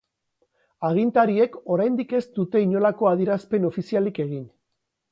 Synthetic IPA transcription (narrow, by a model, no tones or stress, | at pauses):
aɣint̪aɾie̞ko̞ɾajnd̪ike̞st̪ut̪e̞iɲo̞lako̞aðiɾaspe̞no̞fisialike̞ɣ̞in